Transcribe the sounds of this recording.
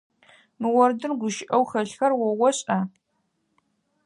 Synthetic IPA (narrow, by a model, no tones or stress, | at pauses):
mɨwɔrdɨnɡʷʊʃɪʔɐwxɐɬxɐrwɔwɔɕʼɐ